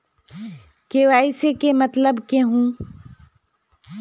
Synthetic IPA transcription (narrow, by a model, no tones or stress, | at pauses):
keʋaːɪsekemɐt̪ləbkeɦũː